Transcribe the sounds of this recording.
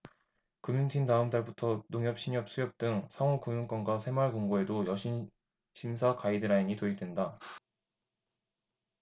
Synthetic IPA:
kɯmjuŋtʰintaɯmt͈aɭbutʰʌnoŋjʌp̚ɕ͈ʰiɲjʌp̚s͈ʰujʌp̚t͈ɯŋsʰaŋokumjuŋk͈ʌnɡwasʰe̞maɭkoŋɡoe̞dojʌɕʰin | ɕʰimsʰakaidɯɾaiɲitoidwenda

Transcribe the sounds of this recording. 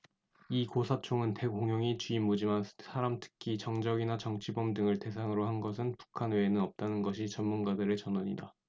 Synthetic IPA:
ikosʰat͡ɕʰoŋɯnte̞ɡoŋɦjoŋit͡ɕiːmːud͡ʑimansʰaɾamtʰɯ̥kʰit͡ɕʌŋd͡ʑʌɡinat͡ɕʌŋt͡ɕʰibʌmdɯŋɯɭte̞s̬ʰaŋɯɾohanɡʌs̬ʰɯnpu̥kʰanweːnɯnʌp̚t͈anɯnɡʌɕ̬ʰit͡ɕʌnmunɡadɯɾet͡ɕʌnoɲḭda

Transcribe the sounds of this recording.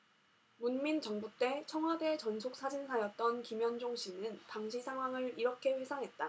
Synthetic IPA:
munmint͡ɕʌŋbut͈e̞t͡ɕʰʌŋɦwade̞t͡ɕʌnsʰok̚s͈ad͡ʑinsʰajʌt̚t͈ʌnkimjʌnd͡ʑoŋɕʰinɯntaŋɕʰisʰaŋɦwaŋɯɾiɾʌkʰe̞ɸwesʰaŋɦe̞t̚t͈a

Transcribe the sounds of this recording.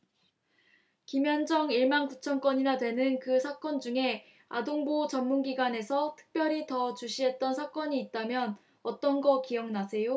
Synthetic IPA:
kimjʌnd͡ʑʌŋiɭmankut͡ɕʰʌnk͈wʌɲinadwe̞nɯnkɯsʰak͈ʌnd͡ʑuŋe̞ | a̰doŋbot͡ɕʌmmunɡiɡwane̞sʰʌtʰɯ̥k̚p͈jʌɾitʌt͡ɕuɕʰiɦe̞t̚t͈ʌnsʰak͈ʌɲiːt̚t͈amjʌn | ʌt͈ʌnɡʌkijʌŋnasʰe̞jo

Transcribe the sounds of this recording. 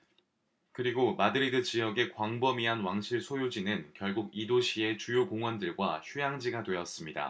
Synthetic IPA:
kɯɾiɡomadɯɾidɯt͡ɕijʌɡe̞kwaŋbʌmiɦanwaŋɕʰiɭsʰojod͡ʑinɯnkjʌɭɡuɡidoɕʰie̞t͡ɕujokoŋwʌndɯɭɡwaçʰujaŋd͡ʑiɡadwe̞ʌs͈ɯmɲida̰

